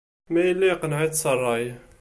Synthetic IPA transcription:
mæjəlːæjqənʕət̪sɑrˤːɑj

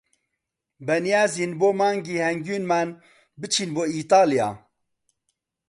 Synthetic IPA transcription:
bɛnijaːzinboːmaːŋɡiːhɛŋɡyːnman | bɨt͡ʃʰinboːiːt̪ɑːlijɑ̰ː

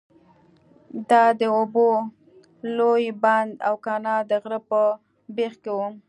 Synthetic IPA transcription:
d̪ɑd̪əobo | lojband̪awkɑnɑd̪əɣɾəpə | bexkewu

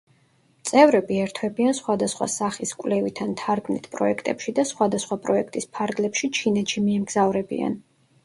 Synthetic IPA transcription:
t̪sʼɛvɾɛbiɛɾt̪ʰwɛbiansχwad̪asχwa̰saχiskʼwlɛvit̪ʰant̪ʰaɾɡmnḭt̪ʰpʼɾɔ̰ɛkʰt̪ʼɛpʃid̪asχwad̪asχwapʼɾɔɛkʰt̪ʼispʰaɾɡlɛpʃit͡ʃʰinɛt̪ʃimiɛmɡzavɾɛbḭa̰n

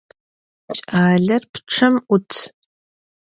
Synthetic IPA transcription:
t͡ʃʼaːɮɐrpʰʈ͡ʂʰɐmʔʷʊtʰ

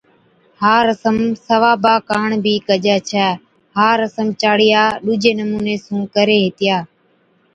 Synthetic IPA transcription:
haːɾəsəmsəʋaːbaːkaːɳbʱiːkəd͡ʒɛːt͡ʃʰɛː | haːɾəsəmt͡ʃaːɽɪjaːɗuːd͡ʒeːnəmuːneːsũːkəɾeːɦɪt̪ɪjaː

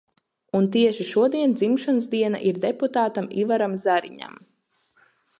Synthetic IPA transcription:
unt̪iɛʃiʃuɔd̪iɛnd̪zimʃansd̪iɛna̰ʔiɾd̪eput̪aːt̪amivaɾamzaɾḭɲa̰m

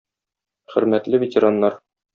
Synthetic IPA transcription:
χɘ̆ɾmæt̪lɘvʲɪtʲeɾanːɑɾ

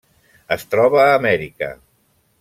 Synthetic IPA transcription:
əst̪ɾɔβəːmɛɾikə̰

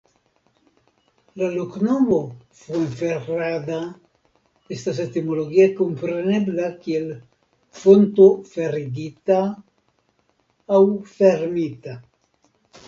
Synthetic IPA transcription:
laloknoβofueɱfead̪a | est̪as̬et̪imoloɣiakompɾeneblakiel | font̪ofeɾiɡit̪a | wfeɾmit̪a

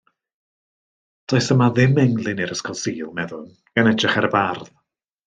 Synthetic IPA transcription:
d̥ɔɨsəmaðɪmɛŋlˠɪnɪɾəskʰɔlˠsiːlˠmɛðʊn | ɡ̥anɛdrɪχɛɾəbarð

